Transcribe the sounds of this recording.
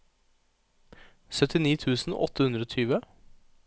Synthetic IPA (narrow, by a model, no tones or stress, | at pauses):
sœt̪ɪniːt̪ʰʉːsn̩ɔ̰t̪ːəhʉnd̪ɾəoːt̪ʰyːʋə